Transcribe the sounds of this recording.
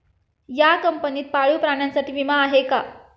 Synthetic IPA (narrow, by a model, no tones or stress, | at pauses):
jakəmpəniːt̪̚paɭuːpɾaɳjãnsaʈiːʋimaːɦeka